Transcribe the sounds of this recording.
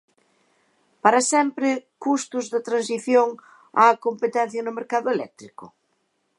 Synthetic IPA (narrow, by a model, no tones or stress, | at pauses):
paɾɐsɛmpɾɪkust̪ʊzðɐt̪ɾãns̬iθjoŋ | a̰ːkompet̪ɛn̟θjɐnʊmeɾkaðʊelɛ̰k̚t̪ɾikʊ̰